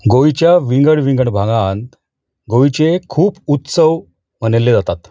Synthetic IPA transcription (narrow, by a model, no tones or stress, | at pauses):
ɡoit͡ɕjaʋiŋɡəɽʋĩŋɡəɳbʱãŋɡan | ɡoʋit͡ɕekʰuːput̪səʋ | m̤ənelːed͡zat̪at̪